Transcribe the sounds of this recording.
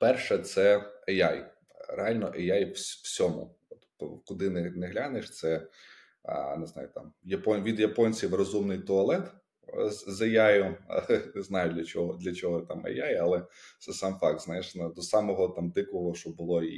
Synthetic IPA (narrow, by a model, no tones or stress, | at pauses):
pɛrʃɛt̪sɛejaj | ɾḛɑlʲnɔʔejajswsʲɔmʊ̰ | ɔt̪ | ɔ̰kʊd̪ɪnɛnɛɦlʲaneʃt̪sɛ | neznɑ̰jʊt̪ɑ̰mjɐpɔnʲʋʲid̪jɐpɔnʲt͡sʲiwrɔzumnɪjt̪ɔɐlˠɛt̪ | zejajʊneznɑjʊd̪lʲɐt͡ʃɔɦɔd̪lʲɐt͡ʃɔɦɔt̪ɑmḛjajɐlˠɛt̪sɛsɑmfɑk̚t̪znɑjeʃnɐd̪ɔsɑmɔɦɔt̪ɑmd̪ɪkɔɦɔʃɔbʊlˠɔ